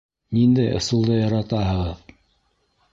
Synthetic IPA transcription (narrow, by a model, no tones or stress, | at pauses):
nind̪æjŏ̰sulˠd̪ɤjɑɾɑt̪ɑɦɤ̆ʁɤð